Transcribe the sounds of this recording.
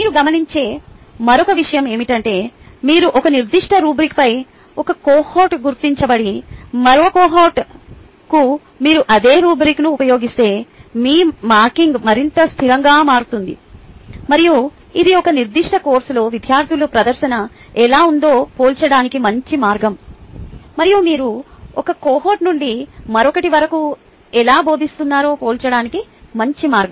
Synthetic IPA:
miːɾuɡɐmɐniɲt͡ʃe̞ː | mɐɾɔkɐʋiʂɐjɐme̞ːmiʈɐɳʈe̞ːmiːɾuʔɔkɐniɾd̪iʂʈʰɐɾuːbɾikpɐj | ɔkɐkoːhoːʈɡuɾt̪iɲt͡ʃɐbɐɽimɐɾoːkoːɦoːʈ | ku | miːɾuʔɐd̪e̞ːɾuːbɾiknuːpɐjo̞ːɡist̪e̞ːmiːmaːɾkiŋɡmɐɾint̪ɐst̪ʰiɾɐŋɡaːmaːɾut̪und̪ḭ | mɐɾiju | id̪iɔkɐniɾd̪iʂʈɐko̞ːɾslo̞ːʋid̪ʱjaːɾt̪ʰilupɾɐd̪ɐɾʃɐnɐ | ɛlaːund̪o̞ːpoːlt͡ʃɐɽaːnikimɐɲt͡ʃimaːɾɡɐm | mɐɾijumiːɾuɔkɐkoːɦoːʈnuɳɖimɐɾɔkɐʈiʋɐɾɐku | ɛlaːbʱo̞ːd̪ist̪unːaːɾo̞ːpoːlt͡ʃɐɽaːnikimɐɲt͡ʃimaːɾɡɐm

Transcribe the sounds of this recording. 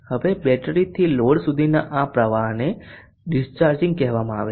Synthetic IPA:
həʋebɛʈəɾit̪ʰiloɽsud̪ʱinaʔapɾəʋaɦne | ɖɪst͡ʃaɾd͡ʒɪ̃ŋɡ̚kɛɦʋamãa̰ʋe

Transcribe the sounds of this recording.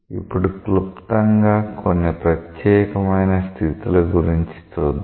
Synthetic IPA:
ipːuɽuklupt̪ɐŋɡaːkonːipɾɐt̪jɛːkɐmɐjnɐst̪ʰit̪ulɐɡuɾiɲt͡ʃi̥t͡ʃoːd̪

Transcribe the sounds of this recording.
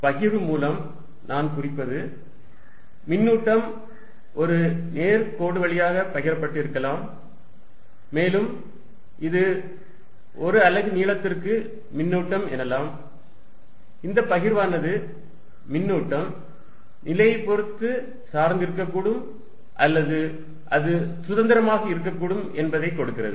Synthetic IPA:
pɐɣɪɾɯmuːlɐm | naːnkʊrɪpːɐðɯ | mɪnːuːʈːɐm | ʔɔɾɯneːɾkoːɽɯʋɐɭɪjaːɣɐpɐɣɪɾɐpːɐʈːɪɾɯkːɐlaːm | eːlɯm | ʔɪðɯ | ɔɾɯɐlɐɣɯniːɭɐt̪ːɪrkɯ | mɪnːuːʈːɐmɛ̰nːɐlːaːm | ɪnd̪ɐpɐɣɪɾʋaːnɐðɯː | ɪnːuːʈːɐm | nɪlɐjɐɪpːɔɾɯt̪ːɯ | saːɾnd̪ɪɾɯk̬ːɐkːuːɽɯm | ʔɐlːɐðɯ | ʔɐðɯsʊðɐnd̪ɐɾɐmaːɣɐɪɾɯkːɐkːuːɽɯmɛnbɐðɐɪkːɔɽɯkːɪrɐ̰ðɯ̰

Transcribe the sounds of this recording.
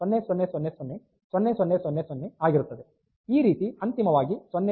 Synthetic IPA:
ɔnːesɔnːesɔnːesɔnːe | sɔnːesɔnːesɔnːesɔnːeaːɡiɾut̪ːɐd̪e | iːɾiːt̪iɐnt̪imɐʋaːɡisɔnːe

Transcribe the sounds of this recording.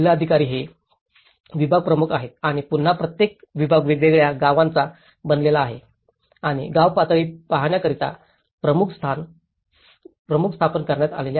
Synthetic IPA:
laəd̪ʱikaɾiːɦe | ʋibʱaɡ̚pɾəmukʰaɦet̪̚aɽ̃ipun̤ːapɾət̪jek̚ʋibʱaɡʋeɡɭeɡɭjaɡaʋãnt͡sa | bənd̪lelaːɦḛ | aɽ̃ḭɡaʋpat̪ɭiːpaɦɳjakəɾit̪a̰ | pɾəmukʰst̪ʰan | pɾəmukʰst̪ʰapənkəɾɳjat̪a̰lelja

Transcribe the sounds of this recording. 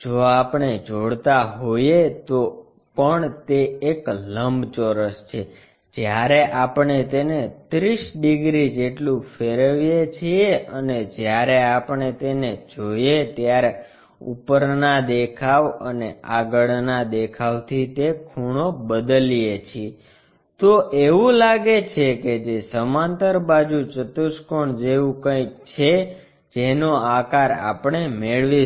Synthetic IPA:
d͡ʒoapɳed͡ʒoɽt̪aɦojet̪o | pəɳt̪eːkləmbt͡ʃoɾəst͡ʃʰe | d͡ʒjaɾeʔapɳet̪enet̪ɾiʃɖiɡɾid͡ʒeʈlũfeɾəʋjet͡ʃʰieəned͡ʒjaɾeapɳet̪ened͡ʒojet̪jaɾe | ṵpəɾnad̪ekʰaʋə̰neaɡəɭnad̪ekʰaʋt̪ʰit̪ekʰuɽ̃obəd̪əlijet͡ʃʰie | t̪oʔeʋũlaɡet͡ʃʰeked͡ʒesəmãnt̪əɾbad͡ʒut͡ʃət̪uʃkoɳd͡ʒeʋũkə̃ikt͡ʃʰe | d͡ʒenoakaɾa̰pɳemeɭʋi

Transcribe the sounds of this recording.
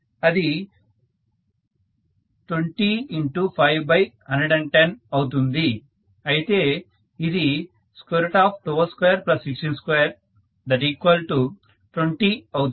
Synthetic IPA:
ɐd̪i | ʈweɳʈiiɳʈupʰɐjʋbɐjɦɐ̃nɖeɖɛ̃ɳɖʈenɐwut̪̬und̪i | ɐjit̪eː | id̪i | skeɾʈaːpʰʈoːɐlskwejɐɾplɐsiksʈinskejɐɾ | d̪ɐʈiːkʋɐlʈu | ʈweɳʈiɐw̪

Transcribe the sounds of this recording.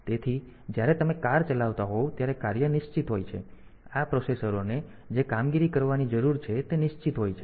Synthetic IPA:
t̪et̪ʰi | d͡ʒjaɾet̪əmekaɾt͡ʃəlaʋt̪aɦot̪jaɾekaɾjənɪʃt͡ʃit̪ɦojt͡ʃʰe | apɾosesəɾone | d͡ʒekamɡiɾikəɾʋanid͡ʒəɾuɾt͡ʃʰet̪enɪʃt͡ʃit̪ɦojt͡ʃʰe

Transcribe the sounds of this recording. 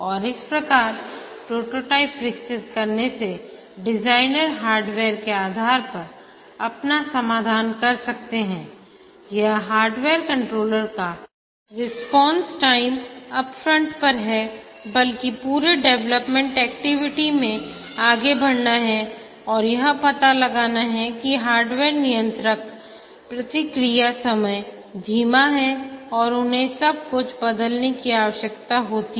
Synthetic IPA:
ɔːɾɪspɾɐkaːɾ | pɾoːʈoːʈaːɪpɾɪkt͡ʃɪt̪̚kɐɾnese | ɖɪd͡ʒaːɪnəɾɦaːɾɖʋeːɾkeaːd̪ʱaːɾpɐɾ | ɐpnasɐmaːd̪ʱaːnkɐɾsɐk̚t̪eɦɛ̃ː | jɐɦɦaːɾɖʋeːɾkɐ̃ɳʈɾoːləɾka | ɾɪspɔ̃ːnsʈaːɪmɐbfɾə̃ɳʈpɐɾɦɛ | bɐlkipuːɾeɖɛʋləpmɛ̃ɳʈɛːk̚ʈɪʋɪʈimẽ | aːɡebʱɐɽnaɦɛ | ɔːɾjɐɦə̃pɐt̪alɐɡaːnaɦɛkiɦaːɾɖʋeːɾnɪjə̃nt̪ɾək̚ | pɾɐt̪ɪkɾijasɐməj | d̪ʱiːmaɦɛɔːɾʊnɦẽsɐb̚kʊt͡ʃʰbɐd̪əlnekiaːʋəʃjəkt̪aɦoːt̪i

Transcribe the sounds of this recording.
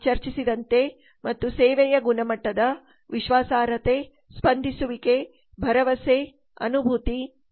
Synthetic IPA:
t͡ʃɐɾt͡ʃisid̪ɐnt̪e̞ | mɐt̪ːuseːʋɛjɐɡunɐmɐʈːɐd̪ɐ | ʋiʃʋaːsaːɾɐt̪e | spɐnd̪ʱisuʋike | bʱɐɾɐʋɐse | ɐ̰nubʱut̪i

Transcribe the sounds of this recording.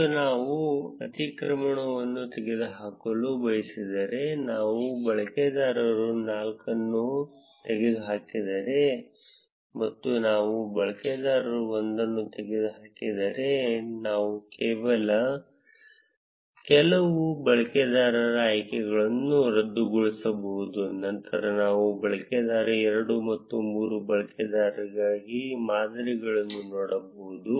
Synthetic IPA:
unaːʋuɐt̪ikɾɐmɐɳɐʋɐnːut̪eɡed̪uɦaːkɐlubɐjɐsid̪ɐɾe̞naːʋubɐɭɐked̪aːɾɐɾunaːlkɐnːu | t̪eɡed̪uɦaːkid̪ɐɾe̞ | mɐt̪ːunaːʋubɐɭɐked̪aːɾɐɾuond̪ɐnːut̪eɡed̪uɦaːkid̪ɐɾe̞naːʋukeːʋɐlɐ | kɛlɐʋubɐɭɐkɛd̪aːɾɐɾɐajkɛɡɐɭɐnːuɾɐd̪ːuɡuɭisɐbɐud̪unːɐnt̪ʰɐ̰ɾɐnaːʋubɐɭɐkɛd̪aːɾɐɛɾɐɽumɐt̪ːumuːɾubɐɭɐkɛd̪aːɾɐɡaːɡimaːd̪ɐɾiɡɐɭɐnːunoːɽɐboud̪u

